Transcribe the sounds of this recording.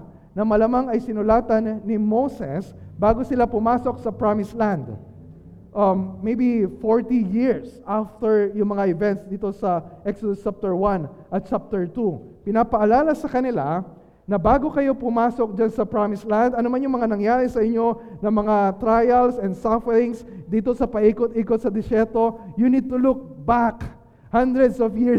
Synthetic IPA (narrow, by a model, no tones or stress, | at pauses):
nɐmɐlɐmaŋɐjsɪnʊlaːt̪ɐnːɪmowsɛsbaːɡo̞sɪlapʊmaːso̞k̚sɐpɹamɪslãnd̪ | ʔɐːejbifoɹt̪ijɪɹsʔaft̪ɛɹjʊŋmɐŋaʔɪvɛnt̪sd̪iːt̪o̞sɐʔɛksod̪ost͡ʃap̚t̪ɛɹwanʔɐt̪̚t͡ʃap̚t̪ɛɹt̪u | pɪnapɐʔɐlaːlɐsɐkɐnɪla̰ | nɐbaːɡo̞kɐjo̞pʊmaːsok̚d͡ʒansɐpɹamɪslãnd̪ɐnomanjʊŋmɐŋanɐŋjaːɾɛsɐʔɪɲo̞nɐŋmɐŋat̪ɾajɐlsɛnd̪safɛɾɪŋsd̪iːt̪o̞sɐpɐʔiːkot̪̚ʔiːkot̪̚sɐd̪ɛsɛɾt̪o̞jʊnid̪̚t̪ʊlʊk̚bak | hãnd̪ɾɛd̪sɔvjɪɹ